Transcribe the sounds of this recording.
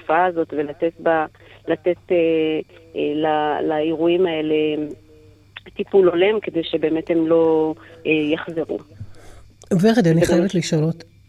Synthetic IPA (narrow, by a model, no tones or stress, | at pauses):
ufaːzo̞tvelatetba | latete | lalaiʁuimae̞le̞ | tipulo̞le̞mkede̞jʃebe̞ːmethemlo̞ | jaχze̞ʁṵ | feχadiaaniχajevet̪liʃalot̪